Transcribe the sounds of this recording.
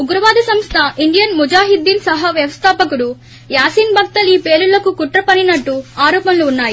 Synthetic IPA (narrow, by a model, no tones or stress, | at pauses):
uɡɾɐʋaːd̪ʱɐsɐmst̪ʰɐʔiɳɖijɐnmud͡ʒaːɦid̪ːiːnsɐɦɐʋjɐʋɐst̪ʰaːpɐkuɽu | jaːsiːnbʱɐk̚t̪ɐliːpe̞ːlulːɐkukuʈɾɐpɐninɐʈːuaːɾɔːpɐnluːnːaːji